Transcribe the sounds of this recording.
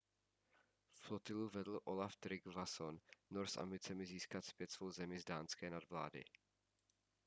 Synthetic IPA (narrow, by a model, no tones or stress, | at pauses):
fflot̪ɪluvɛdl̩ʔo̞laft̪ɾɪɡvasonːoɾsʔa̰mbɪt͡sɛmɪziːskat̪spjɛt̪svowzɛmɪzdaːnskɛːnadvla̰ːdɪ̰